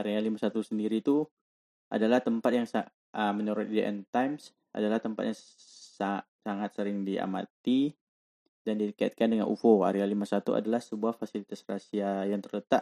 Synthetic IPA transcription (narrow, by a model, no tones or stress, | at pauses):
aɾialimasat̪usəndiɾit̪u | ʔa̰dalaht̪əmpat̪̚jaŋsa | əməɲoɾɔt̪̚dḛʔɛ̰nt̪ajms | a̰dalaht̪əmpa̰t̪̚jaŋ | sa | saŋat̪̚səɾɪŋdia̰ma̰t̪i | dandikaja̰t̪̚kandəŋa̰nʔṵfoa̰ɾialimasat̪uʔa̰dalahsəbuahfasilit̪asrasiajaŋt̪ərlət̪aʔ